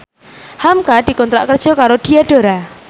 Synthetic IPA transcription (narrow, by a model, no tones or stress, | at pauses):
hamkad̪̥i̤kɔnt̪ɾa̰ʔkərd̥ʒ̥ɔ̤kaɾoɖ̥iaɖ̥o̤ɾa